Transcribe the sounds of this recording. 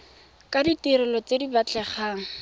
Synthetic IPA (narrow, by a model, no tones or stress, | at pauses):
kʼaditiɾɪlɔt͡sedibat͡ɬʼɛχaːŋ̩